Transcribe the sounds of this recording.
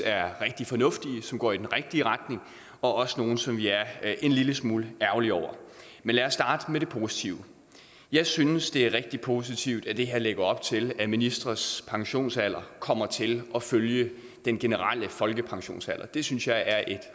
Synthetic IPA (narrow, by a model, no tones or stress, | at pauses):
æɐʁeɡ̥̚d̥ifɒ̽nɔ̽fd̥iəsɒ̽mɡ̥ɒ̰ːid̥enʁeɡ̥̚d̥iəʁɑd̥ne̝ŋ | ɒ̽ʔɒ̽səno̝ːn̩sɒ̽mʋiæɐʔe̝nliləsmuːləæɐʊliɒʊ̰ɐ | menlæːɐsːd̥ɑ̈ːd̥əmeɾe̝pʰo̝si̥t͡sʰiʊə | jɑ̈ɪsynəsd̥e̝æɐʁeɡ̥̚d̥ipʰo̝s̬it͡sʰiʊd̥æd̥e̝ɦeɐleɡ̥ɐɒ̽b̥̚t͡sʰe̝læminisd̥ʁɐspʰɑ̈ŋɕo̝̰ːnsæl̰ɐkʰɒ̽m̰ɐt͡sʰe̝lʔɒ̽føljə | d̥enɡ̥e̝nəʁal̰əfɒ̽lɡ̥əpʰɑ̈ŋɕo̝̰ːnsæl̰ɐd̥e̝synsjɑ̈ɪʔæɐʔe̝d̥